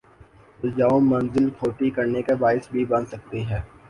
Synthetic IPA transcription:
ʊld͡ʒaːõmɐnzɪlkʰoːʈikɐɾnekebaːɪsbʱibɐ̃nsɐk̚t̪iɦɛː

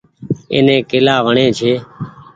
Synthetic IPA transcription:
ḛːnẽːkɪlaːʋəɳẽːt͡ʃʰeː

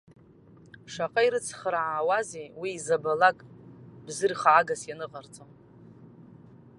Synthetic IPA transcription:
ʂaqʼaiɾɨt͡sʰχɾaʕaːwazewiːzabalakʼbzɨrχaːɡasjanɨqʼart͡sʼon

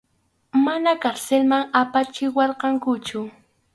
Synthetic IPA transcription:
manakaɾselmaŋapat͡ʃɪwɑɾqɑŋkʊt͡ʃʊ

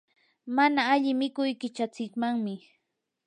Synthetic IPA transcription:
manaːʎɪmɪkʊjkɪt͡ʃat͡sɪkmaŋmɪ

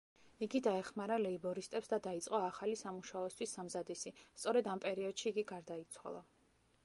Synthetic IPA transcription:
iɡid̪aɛχmaɾalɛibɔɾist̪ʼɛpsd̪ad̪ait̪sʼqʼɔaχalisamuʃaɔst̪ʰwisːamzad̪isist̪sʼɔɾɛd̪ampʼɛɾiɔd̪̥ʃiːɡiɡaɾd̪ait̪sʰwa̰lˠa

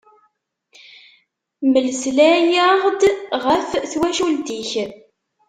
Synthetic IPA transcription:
məlslæjəʁd̪ʁəfθwæʃuld̪iç

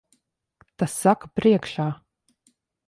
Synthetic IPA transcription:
t̪asːakapɾiɛkʃaː

